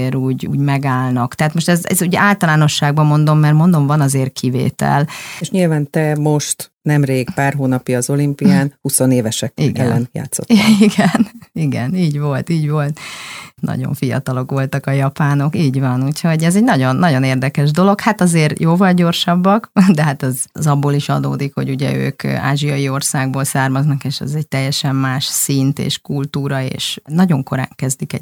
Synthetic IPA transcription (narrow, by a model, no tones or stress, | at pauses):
eːɾuːɟṵːɟmɛɡaːlnɒkt̪ɛɦat̪mo̞ʃt̪ɛzɛ̰zuɟaːlt̪ɒlaːno̞ʃːaːɡ̚bɒmo̞nd̪o̞mːɛrmo̞nd̪o̞ɱvɒnɒzeːrkʰivḛːt̪ɛ̰leʃɲilvaːnt̪ɛmo̞ʃt̪nɛmreːɡpaːrɦoːnɒpjɒːzo̞limpijaːnhuso̞neːvɛʃɛkḭɛlːɛ̰nja̰ːt̪sːo̰tiɡɛniɡɛ̰niːɟvo̞lt̪iːɟvo̞lt̪nɒ̰ɟo̞̰ɱfijɒ̰t̪ɒlo̞kʋo̞lt̪ɒkɒjɒpaːno̞kiːɟvɒnuːcho̞ɟɛzɛɟnɒɟo̞nːɒɟo̞neːrd̪ɛkɛʒd̪o̞lo̞khat̪ɒzeːrjoːvɒlɟo̞rʃɒbːɒkd̪ɛɦat̪ɛzzɒbːoːliʃɒ̰d̪o̰ːd̪ikho̞ɟuɟɛ̰ø̰ːka̰ːʒijɒjio̞rsaːɡ̚boːlsaːrmɒznɒkeːʃɛ̰zɛɟ̚t̪ɛjːɛʃɛmːaːʃsint̪ḛːʃkult̪uːɾɒḛːʃnɒɟo̞ŋko̞ɾa̰ːŋkɛzd̪ikɛ̰